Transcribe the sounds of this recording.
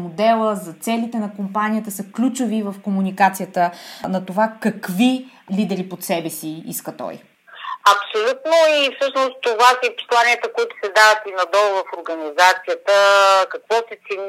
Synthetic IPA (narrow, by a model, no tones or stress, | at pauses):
mod̪ɛlˠəzɐt̪sɛlit̪ɛnɐkompanijət̪əsəklʲut͡ʃovivəfkomunikat̪sijət̪ənɐt̪ovakɐkvilid̪ɛɾipot̪sɛbɛsiḭskət̪ɔ̰j | ɐpsolʲut̪noifsɤʃnost̪ovasipo̥slˠaniət̪əkoit̪ʊ̥sɛd̪avət̪inɐd̪ɔlˠvɐfoɾɡɐnizat̪sijət̪əkɐkvɔsɛt̪sɛn